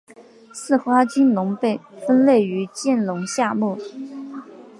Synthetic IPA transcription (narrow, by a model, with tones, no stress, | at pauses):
sɹ̩˥˩xwa˥t͡ɕi˥nlʊ˧˥ŋpe˥˩ɪfə˥nle˥˩ɪy˧˥t͡ɕjɛ˥˩nlʊ˧˥ŋɕja˥˧mu˥˩